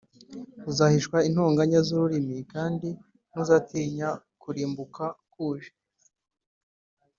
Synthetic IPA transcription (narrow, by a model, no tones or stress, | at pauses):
uzahiʃkwain̥huːŋɡaɲazuɾuɾimikaːndi | nuzatiːɲa | kuɾiːmbukakuːʒe̥